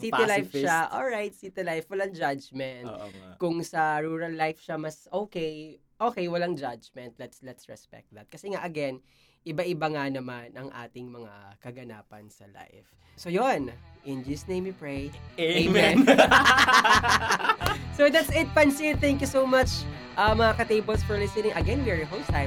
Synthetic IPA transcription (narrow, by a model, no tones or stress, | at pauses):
siilajfʃaʔo̰lɹajt̪̚siːt̪ɪlajfwɐlaŋd͡ʒad͡ʒmɛnt̪kʊŋsɐɹuːɹɐlːajfʃamɐsʔokɛj | ʔoːkejwɐlaŋd͡ʒad͡ʒmɛnt̪̚lɛt̪slɛt̪sɹɛ̰spɛ̰k̚t̪̚d̪ɐt̪̚kɐsɛŋaʔɐɡɛn | ʔɪbaʔɪbaŋanɐmanɐŋʔa̰ːt̪ɪŋmɐŋa̰kɐɡɐna̰ːpɐ̰nsɐla̰jf | sojon | ʔɪnd͡ʒisnẽɪ̃mjipɹejemɛ | sod̪at̪sɪt̪̚pɐnsiɹθɛŋkjusowmat͡ʃ | ʔɐmɐŋakɐt̪ejbɛlsfɔɹlɪsɨnɪ̃ŋʔɐɡɛnwiɹɦowst̪aɪ